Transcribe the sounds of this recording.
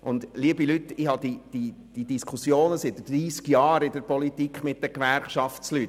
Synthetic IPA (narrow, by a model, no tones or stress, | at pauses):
ʔʊnd̪liəbilytːɪhɑd̥̪id̥i | d̥idiskʰusjoːnəsɪt̪d̥ɾiːskjɑːɾɪdəɾpɔlit̪ikχmɪt̚d̥̪əkʋæɾχʃɑft͡slyt